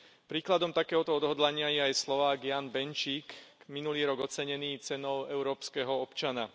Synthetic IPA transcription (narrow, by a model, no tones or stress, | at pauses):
pɾiːklad̪ɔmt̪akɛːɦɔt̪ɔɔd̪ɦɔd̪laɲɪajɛajslɔʋaːɡjaːnbɛnt͡ʃiːk | minuliːɾɔɡɔt͡sɛɲɛniːt͡sɛnɔʊɛʊɾɔːpskɛːɦɔɔpt͡ʃana